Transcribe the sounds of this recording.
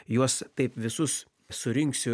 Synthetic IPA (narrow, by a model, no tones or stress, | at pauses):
juɔst̪ɐɪpʋʲɪsʊs | sʊɾʲɪŋksʲɪ